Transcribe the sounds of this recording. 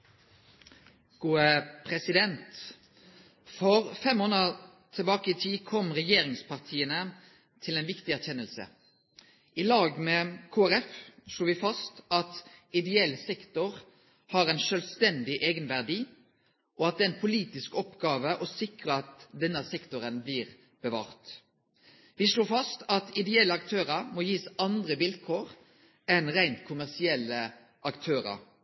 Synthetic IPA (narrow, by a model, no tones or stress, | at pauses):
ɡ̥uːəpʰʁɛsɪd̪ɛnt̪ | fɔʁfɛmːoːnə | t̪ʰɪlbɑːkəɪt̪ʰiːkʰɔmʁɛjeːʁɪŋspʰɑʁt̪ʰiːənə | t̪ʰɪlɛɪnʋɪkt̪ɪæʁçɛnːəlsə̰ | ʔɪlɑːɡmeːkʰoːæʁɛfʃloːʋɪfɑst̪ɑt̪ɪd̪ɛɛlsɛkt̪ɔʁ | hɑɾæɪnʃœlst̪ɛnd̪ɪʔeːɡənʋæʁd̪iː | ʔɔɑt̪̚d̪ɛːæɪnpʰʊliːt̪ɪskɔpɡɑːʋəʔɔsɪkʁəɑt̪d̪ɛnːəsɛkt̪ʊʁənblɪʁ | b̥əʋɑ̰ːʁt̪ | ʋɪʂɭoːfɑst̪ɑt̪ɪd̪ɛɛlːəɑk̚t̪ʰøːʁɑɾmoːjiːsɑnd̪ʁəʋɪlkʰoːʁ | ɛnʁæɪnt̪kʰʊmæʁsɪɛlːə | ʔɑkt̪ʰøːʁɑ̰ɾ